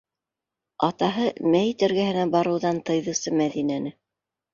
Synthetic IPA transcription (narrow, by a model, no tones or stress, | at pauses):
ɑt̪ɑɦɤmæjt̪ɘ̆ɾɡæɦɘ̆næbɑɾɤ̆wðɑnt̪ɤ̆jðɤ̆sɤmæðinænɘ